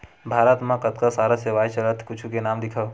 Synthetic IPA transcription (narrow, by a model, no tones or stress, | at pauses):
bʱaːɾət̪mãkɐt̪kasaːɾaseʋaːit͡ʃɐlət̪kʊt͡ʃʰukenaːmd̪ɪkʰə